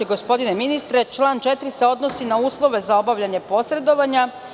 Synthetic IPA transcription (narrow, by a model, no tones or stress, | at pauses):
iɡo̞spo̞d̪ineminist̪ɾe̞t͡ʃlˠaːnt͡ʃet̪ɾiseo̞d̪nosinauːslˠo̞ʋe̞zao̞baʋʎaɲe̞po̞sɾe̞d̪o̞ʋaɲa